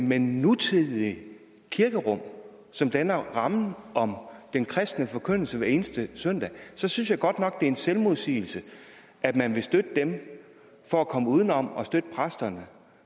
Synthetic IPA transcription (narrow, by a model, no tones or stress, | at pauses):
menut͡sʰið̰ˠii | kʰiɐɡ̥əʁɔ̽m̰ | sɒ̽md̥ænɐʁɑ̈mn̩ʔɒ̽md̥enkʰʁɛsd̥nəfɒ̽kʰøn̰l̩səʋæɐe̝ːnəsd̥əsœn̰d̥ɛ̰sɒ̽synsjɑ̈ɪɡ̥ɒ̽d̥nɒ̽ɡ̥̚d̥e̝ɐe̝nselmoð̞ˠsḭːl̩sə | æ̥mænʋe̝sd̥ød̥əd̥em | fɒ̽ækʰɒ̽məuːð̞ˠn̩ɒ̽mɒ̽sd̥ød̥əpʰʁasd̥ɐnə